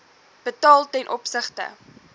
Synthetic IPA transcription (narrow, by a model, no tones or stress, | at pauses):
b̥ətɑːlˠtɛnʔɔpsəχtə̰